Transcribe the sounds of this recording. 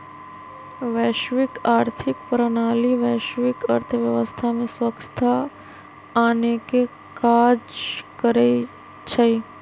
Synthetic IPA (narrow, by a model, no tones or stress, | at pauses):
ʋɛːʃʋikaːɾt̪ʰɪk̚pɾənaːliʋɛːʃʋikəɾt̪ʰəʋjɐʋəst̪ʰamẽswəkst̪ʰa | aːneke | kaːd͡ʒkəɾe | t͡ʃʰəi